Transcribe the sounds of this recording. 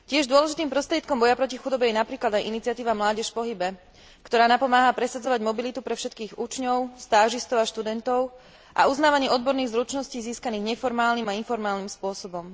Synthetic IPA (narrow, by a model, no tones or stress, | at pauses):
cɪɛʒd̪ʊɔlɛʒit̪iːmpɾɔst̪ɾɪɛt̪kɔmbɔjapɾɔcixud̪ɔbɛjɛnapɾiːklad̪ajʔinit͡sɪat̪iːʋamlaːɟɛʃpɔɦibɛ | kt̪ɔɾaːnapɔmaːɦapɾɛsad͡zɔʋaɟmɔbilit̪upɾɛfʃɛt̪kiːɣut͡ʃɲɔʊst̪aːʒist̪ɔʊaʃt̪ud̪ɛnt̪ɔʊ | ʔa̰uznaːʋaɲɪɛɔd̪̚bɔɾniːɣzɾut͡ʃnɔsciːziːskaniːɣɲɛfɔɾmaːlniːmainfɔɾmaːlnimspʊɔsɔbɔm